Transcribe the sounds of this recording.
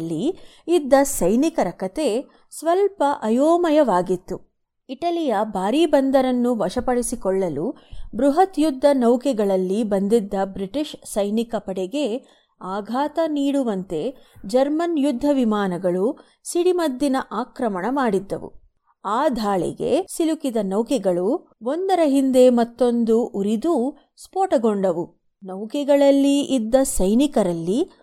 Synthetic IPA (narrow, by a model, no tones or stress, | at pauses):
lːiid̪ːɐsɐjnikɐɾɐkɐt̪e | sʋɐlpɐʔɐjoːmɐjɐʋaːɡit̪ːu | iʈɐlijɐbʱaːɾiːbɐnd̪ɐɾɐnːuʋɐʂɐpɐɽisikɔɭːɐlu | bɾuɦɐt̪jud̪ʱːɐnɐwkɛɡɐɭɐlːibɐnd̪id̪ːɐbɾiʈiʃsɐjnikɐpɐɽɛɡe̞ | aːɡʱaːt̪ɐniːɽuʋɐnt̪e̞d͡ʒɐɾmɐnjud̪ʱːɐʋimaːnɐɡɐɭu | siɽimɐd̪ːinɐʔaːkɾɐmɐɳɐmaːɽid̪ːɐ̰ʋṵ | aːd̪ʱaːɭɛ̰ɡe̞̰silukid̪ɐnɐwkɛɡɐɭu | ond̪ɐɾɐɦind̪e̞mɐt̪ːo̞nd̪uʔuɾid̪u | spoːʈɐɡoɳɖɐʋu | nɐwkɛɡɐɭɐlːiʔːd̪ːɐsɐjnikɐɾɐlːi